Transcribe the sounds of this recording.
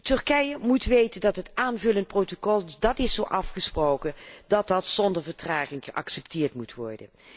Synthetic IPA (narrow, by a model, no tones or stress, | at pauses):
tɵɹkɛjəmutʋejtəndɑtɦətaːnvɵlənt̚prowtokɔlˠdɑtɪsowʔɑfχəsprowkənd̥ɑt̚dɑtsɔndəɹvəɹtraːχɪŋχəʔɑ̰ksɛptɪːɹtmutʋɔ̰ɹdə̰n